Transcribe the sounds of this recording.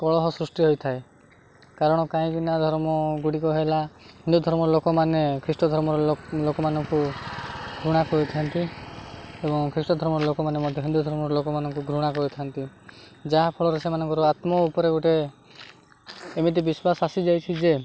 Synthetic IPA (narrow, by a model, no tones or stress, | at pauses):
kɔɭɔɦɔsɾusʈiɦojt̪ʰae | kaɾɔɽ̃ɔkãĩkinad̪ʱɔɾmɔɡuɽikɔɦelaɦind̪ud̪ʱɔɾmɔɾɔlokɔmanekʰɾisʈɔd̪ʱɔɾmɔɾɔlokɔmanɔŋku | ɡʱɾuɽ̃akɔɾit̪ʰiant̪i | ebɔŋkʰɾisʈɔd̪ʱɔɾmɔɾɔlokɔmanemɔd̪ʱjɔɦind̪ud̪ʱɔɾmɔɾɔlokɔmanɔŋkuɡʱɾuɽ̃akɔɾit̪ʰiaɔnt̪i | d͡ʒaɦapʰɔɭɔɾesemanɔŋkɔɾɔat̪mɔupɔɾeɡuʈe | mit̪̬ibiswasasid͡ʒajt͡ʃʰid͡ʒe